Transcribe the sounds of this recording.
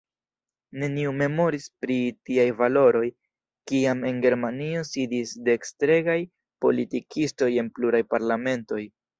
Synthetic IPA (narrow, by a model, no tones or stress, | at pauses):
ne̞niume̞mo̞ɾispɾitiajvalo̞ɾo̞j | kiame̞nɡe̞ɾmanio̞sidisde̞ːkstɾe̞ɡaj | po̞̰litikʰisto̞je̞npluɾajpaɾlame̞nto̞j